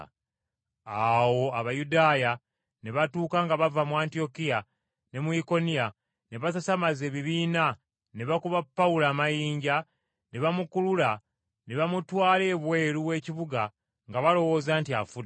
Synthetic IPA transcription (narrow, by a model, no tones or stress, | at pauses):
awo̞aβajudaːja | ne̞βatuːkaŋɡaβavamuaːntio̞kija | ne̞muiko̞nija | ne̞βasasamaze̞ːβiβiːna | ne̞βakuβapːaulaːmajiːɲɟa | ne̞βamukulula | ne̞βamutwaːle̞ːβwe̞ːɾuβwe̞ːciβuɡa | ŋɡaβalo̞wo̞ːzaːntia̰fud